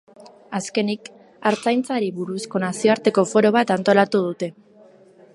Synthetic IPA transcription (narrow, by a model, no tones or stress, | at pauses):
aske̞nik | aɾt͡sajnt͡saɾiβuɾusko̞nasio̞aɾt̪e̞ko̞fo̞ɾo̞β̞at̪ant̪o̞lat̪uð̞ut̪e̞